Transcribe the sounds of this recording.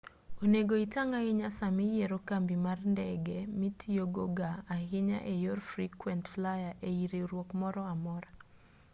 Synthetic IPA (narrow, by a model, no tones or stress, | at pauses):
oneɡoitaŋaɪɲasamɪjeɾokambimarndɛɡɛmitijoɡoɡaːɦɪɲa̰ʔejorfrikwɛntflajaʔeiɾiɾwokmɔɾɔamɔɾa